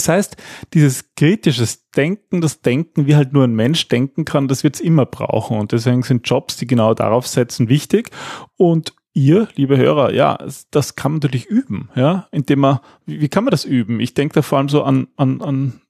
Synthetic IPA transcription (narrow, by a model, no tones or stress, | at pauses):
shaɪstd̥iːzəskʁ̥iːtɪʃəsd̥ɛŋk̚ŋ̩d̥asd̥ɛŋkŋ̩viːhaltnuːɐæɪnmɛnʃd̥ɛŋkŋ̩kʰand̥asv̥ɪɐtsʔɪmɐb̥ʁa̰ʊxŋ̩ʊnt̚d̥ɛs̬veːɡŋ̩z̥ɪnt̚d͡ʒ̥ɔpsd̥iːɡənaʊda̰ʁaʊfz̥ɛt͡sn̩vɪçtɪçʊnt | ʔiːɐliːbəɦø̰ːʁɐ̰ja̰ːɛsd̥askʰanmantyəlɪçʔyːbm̩jaːʔɪnd̥eːmɐ | viviːkʰanmandasʔyːbm̩ʔɪ̰çd̥ɛŋkəd̥aːfoɐʔaləmzoːʔanʔanan